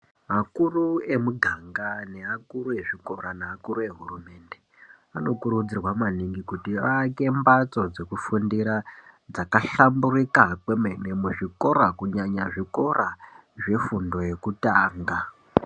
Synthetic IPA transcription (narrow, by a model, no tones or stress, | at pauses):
makurue̞muɡʱaŋɡane̞akuɾue̞ʐiko̞ɾaneakuɾue̞ɦurume̞nde̞ | ano̞kuɾud͡zirwamaniŋɡikutiʋake̞mbat͡so̞d͡ze̞kufundiɾad͡zakaɬamburikakwemene̞muʐiko̞ɾakuɲaɲaʐiko̞raʐe̞fundo̞je̞kutaːŋɡa